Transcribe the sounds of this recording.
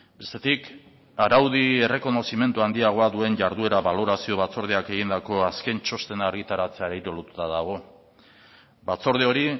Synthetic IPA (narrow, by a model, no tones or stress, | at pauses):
be̞st̪e̞t̪ik | aɾawðie̞re̞ko̞no̞sime̞nt̪uand̪iaɣ̞o̞aðue̞nʝaɾðue̞ɾaβalo̞ɾasio̞βat͡so̞ɾð̞eake̞ɣind̪ako̞aske̞nt͡ʃo̞st̪e̞naːɾɣit̪aɾat͡se̞aɾejɾo̞lut̪ut̪aðaɣ̞o̞ | bat͡so̞ɾð̞eo̞ɾi